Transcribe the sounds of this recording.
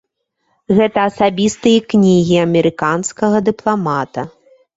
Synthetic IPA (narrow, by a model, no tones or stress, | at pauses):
ɣɛt̪ɐːsabʲist̪ɨjɐknʲiɣʲiɐmʲɛɾɨkanskɐɣɐd̪ɨplˠamat̪ɐ